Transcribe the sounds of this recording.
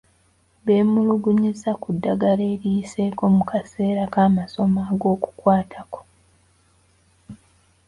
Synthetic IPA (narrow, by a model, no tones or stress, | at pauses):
be̞ːmuluɡuɲisakudːaɡaleːɾiːse̞ːko̞mukʰase̞ːɾakaːmaso̞maːɡo̞ːku̥kwaːtʰako̞̥